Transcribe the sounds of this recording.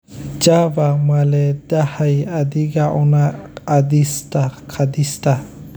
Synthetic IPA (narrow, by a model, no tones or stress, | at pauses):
d͡ʒabamalɛd̪ahajad̪iɡaʔɔnaːd̪istakʰad̪ist̪a